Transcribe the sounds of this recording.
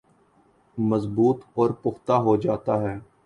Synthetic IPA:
məzbuːt̪ɔːɾpʊxt̪aɦoːd͡ʒaːt̪aːɦɛː

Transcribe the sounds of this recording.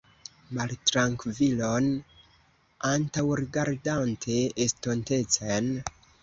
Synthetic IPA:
maltɾaŋkvilon | antawɾiɡaɾdantʰe̞ʔːsto̞nte̞t͡sen

